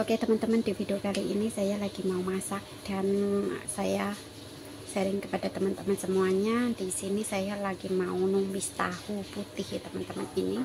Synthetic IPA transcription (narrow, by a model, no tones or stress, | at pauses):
paket̪əmənt̪əmənd̥ifid̪ukaliʔinisajalaɡ̥imaumasak̚d̥an̰saja | səɾɪŋkəpad̥at̪əmənt̪əmənsəmuaɲadisinisajalaɡ̥imaunuŋlist̪ahuput̪ɪhjat̪əmənt̪əmənini